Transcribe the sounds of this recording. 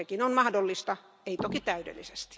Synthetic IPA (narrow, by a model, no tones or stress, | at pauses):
ekinonmɑhdolːist̪ɑ | eit̪okit̪æydḛlːḭse̥st̪i̥